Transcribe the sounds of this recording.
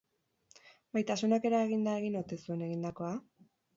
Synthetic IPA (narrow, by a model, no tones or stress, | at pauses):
bajt̪asunake̞ɾae̞ɣind̪ae̞ɣ̞inot̪e̞sue̞ne̞ɣind̪ako̞a